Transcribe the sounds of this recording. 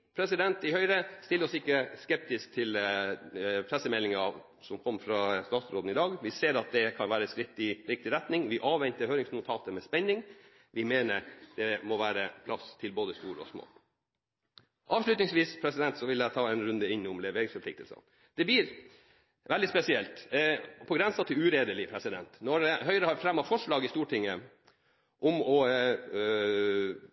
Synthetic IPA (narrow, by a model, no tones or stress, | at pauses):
pʰɾɛsɪd̪ɛnt̪ɪhœʏɾəst̪ɪlːɾɔsɪkːəskɛp̚t̪ɪsk̚t̪ʰɪl | pʰɾɛsːəmɛlːɪŋəɑʋ | sɔmkʰɔmːəfɾɑst̪ɑːt̪sɾoːd̪n̩ɪd̪ɑːɡʋɪseːɾɑt̪̚d̪ɛkʰɑnʋæːɾəskɾɪt̪ɪɾɪk̚t̪ɪɾɛt̪nɪŋʋɪʔɑːʋʋɛnt̪əɾhøːɾɪŋsnʊt̪ʰɑːt̪əmɛspɛɲːɪŋ | ʋɪmeːnəɾd̪̥ɛmɔʋæːɾəpʰlɑst̪ʰɪlboːd̪əst̪uːɾəɔ̰smo̰ː | ʔɑːʋʂlʉt̪nɪŋsʋiːspʰɾɛsɪd̪ɛnt̪sɔʋɪld̪æt̪ʰɑːɛnɾʉnd̪əɪnːʊmlɛʋeːɾɪŋsfɔpʰlɪkt̪əlsə̰n | d̪̥ɛbliːɾ | ʋɛld̪ɪspɛsɪɛlt̪pʰɔɡɾɛnsɑt̪ʰːɪʉːɾeːd̪əlɪpʰɾɛsɪd̪ɛnt̪nɔɛɦœʏəɾəhɑɾfɾɛmːɑfɔʂɭɑːɡɪst̪uːʈʰɪŋːə | ʔɔmɔ